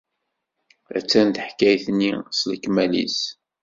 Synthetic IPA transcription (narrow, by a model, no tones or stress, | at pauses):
æ̰t͡sːænt̪ħkːæjθnːisləkːmælḭs